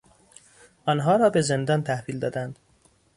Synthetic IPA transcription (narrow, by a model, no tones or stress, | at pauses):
ʔɒnɦɒːɾɒːbeze̞nd̪ɒːnt̪ʰæhviːld̪ɒːd̪ænd̪̥